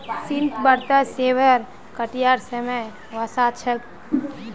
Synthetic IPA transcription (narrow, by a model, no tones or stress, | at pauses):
sint̪bəɾt̪əseʋəɾ | kəʈijaɾsəmə | ʋasat͡ʃʰək̚